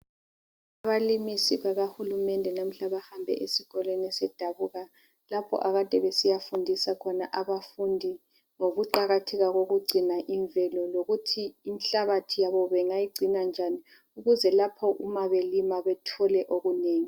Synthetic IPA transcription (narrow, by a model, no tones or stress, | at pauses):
aβalimisiβaɣahulumɛndʱɛnam̩ɬaβahambʱɛ̰ʔesiɣɔlenisɛd̥ʱaβuɣa | lapʰɔ̰ʔaɣad̥ʱɛβɛsijafundʱisakʰɔnaʔaβafundʱi | ŋoɣuǃaɣatʰɛɣaɣoɣuɡ͡ǀʱinaʔiɱvɛlɔloɣutʰiːmɬaβatʰijaβɔβɛŋajiɡ͡ǀʱinand͡ʒʱani | uɣuzɛlapʰɔʔumaβelimaβɛtʰɔlɛʔoɣuneːŋi